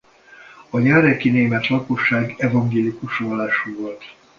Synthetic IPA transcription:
ɒjɛːɾɛkineːmɛt̪lɒko̞ʃːaːɡɛvɒŋɡeːlikuʃvɒlːaːʃuːvo̞lt̪

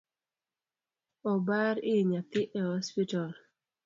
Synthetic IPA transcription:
ɔbaɾɪɲat̪ɪʔɛhɔspital

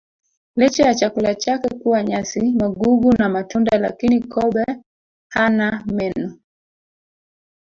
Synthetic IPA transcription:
lɛt͡ʃɛjat͡ʃakulat͡ʃakɛkuwaɲasimaɡuɡunamatundala̰kinikɔɓɛ | hanamɛnu

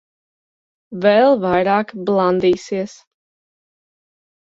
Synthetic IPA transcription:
vɛlˠvajɾaːkblˠand̪iːsiɛəs

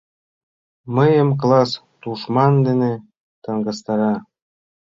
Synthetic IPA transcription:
məjəmk̬lɑs | t̪uʃmɑnd̪ene | t̪ɤŋɡɤ̆st̪ɑɾɑ

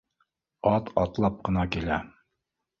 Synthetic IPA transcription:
ɑt̪ʰɑt̪lˠɑp̚qʰənɑkʲelɛ

